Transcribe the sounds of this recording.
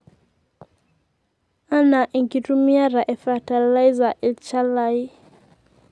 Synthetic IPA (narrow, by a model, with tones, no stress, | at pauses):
a˦na˨ʔi˨ŋki˨tu˦mi˦a˦ɾa˨ʔɛ˨fa˨ta˨la˦jza˨ʔi˨lt͡ʃa˦la˦i˦